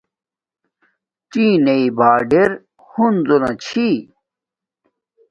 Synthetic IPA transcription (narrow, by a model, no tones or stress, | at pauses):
t͡ɕiːneibaːɖeɾ | hund͡zonat͡ɕʰi